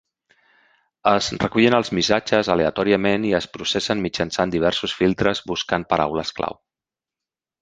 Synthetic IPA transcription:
əzrəkuʎenəlˠzmisad͡ʒəzəleət̪ɔɾiəmeniəspɾusɛsənmid͡ʒənsand̪iβ̞ɛɾsusfilˠt̪ɾəzbuskanpəɾa̰wləskla̰w

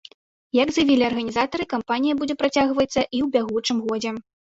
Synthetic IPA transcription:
jɐɡzjavʲilʲiɐrɣɐnʲizat̪ɐɾɨkampanʲijɐbud͡zʲɛpɾat͡sʲaɣvɐt̪sːɐʔiwbʲaɣut͡ʂɨmɣɔd͡zʲɛ

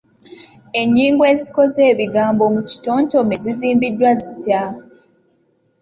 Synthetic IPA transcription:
e̞ɲːiːŋɡwe̞ːzi̥ko̞ze̞ːβiɡaːmbo̞muci̥to̞ːnto̞me̞ziziːmbidːwazitja

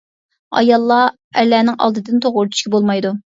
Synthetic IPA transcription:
ɑ̰jɑlˠːɑ | ɛlːɛːnɪŋʔɑ̰lˠd̪ɨd̪ɪnt̪ʰoʁʊɾt̪ʰy̥ʃʲkʲɛbolˠmɑjd̪u

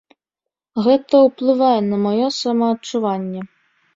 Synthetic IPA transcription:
ɣɛt̪ɐwplˠɨvajɛnɐmɔjɔsamɐːt͡ʂːuvanʲːɛ

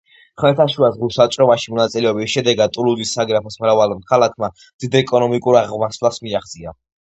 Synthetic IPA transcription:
χmɛt̪ʰaʃuazʁusat͡ʃʼɾɔvaʃimɔnat̪sʼilɛɔbisʃɛd̪ɛɡad̪̚t̪ʼulud̪isːaɡɾapʰɔsmɾavalmkʰalakʰma | md̪id̪ɛkʼɔnɔmikʼuɾaʁmaslasmiaχd̪zʼia

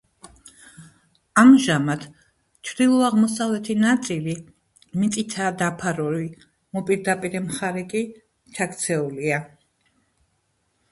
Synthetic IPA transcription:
amʒamat̪ | t͡ʃʰvd̪ilˠɔaʁmɔsavlɛt̪ʰinat̪sʼili | mit̪sʼit̪ʰaːd̪apʰaɾɔɾi | mɔpʼiɾd̪apʼiɾɛmχaɾɛkʼi | t͡ʃʰakʰt̪sʰɛulia

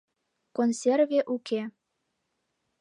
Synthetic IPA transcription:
konsʲervʲeʔuke

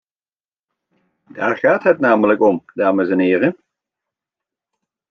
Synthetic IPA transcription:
d̥a̰ːɹχaːtɦətnaːmələkɔmdaːməzɛnɦɪːrən

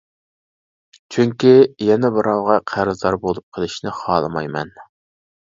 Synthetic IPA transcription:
t͡ʃʰyŋkʲijɛnɛbɨɾɑwʁɑqʰæɾɨzd̪ɑɾbolˠup̚qʰəlˠɪʃnɪχɑːlˠɨmɑ̰jmɛ̰n

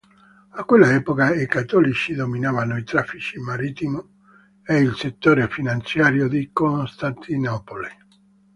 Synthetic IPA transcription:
akːwelːaɛːpokaikat̪ːɔlit͡ʃid̪ominaːvanoit̪ɾafːit͡ʃimaɾit̪imo | eilset̪ːoːɾefinant̪sjaːɾjod̪ikonst̪ant̪ʰinɔpole

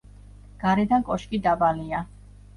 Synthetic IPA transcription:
ɡ̥aɾɛd̪ankʼɔʃkʼid̪abalia

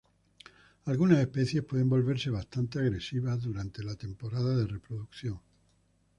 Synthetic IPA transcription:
alɣunase̞hpe̞θje̞spwe̞ð̞e̞mbo̞lβe̞ɾse̞β̞ast̪ant̪eaɣɾe̞siβ̞azðuɾant̪e̞lat̪e̞mpo̞ɾaðaðe̞re̞pɾoðukθjo̞ŋ

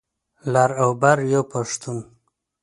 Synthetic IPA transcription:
laɾawbaɾjopaʂt̪un

